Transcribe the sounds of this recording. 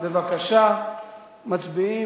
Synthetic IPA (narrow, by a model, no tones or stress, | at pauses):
bevakaʃa | mat͡sbii